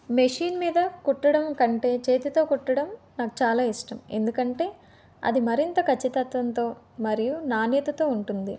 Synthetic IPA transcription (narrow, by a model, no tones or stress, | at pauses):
meʂiːnmiːd̪ɐkuʈːɐɽɐmkɐɳʈe̞ːt͡ʃe̞ːt̪it̪o̞ːkuʈːɐɽɐm | naːku̥t͡ʃaːlaːisʈɐme̞̰nd̪ukɐɳʈe̞ː | ɐ̰d̪imɐɾint̪ɐkʰɐt͡ʃːit̪ɐt̪ʋɐnt̪o̞ː | mɐɾijunaːnjɐt̪ɐt̪o̞ːuɳʈund̪i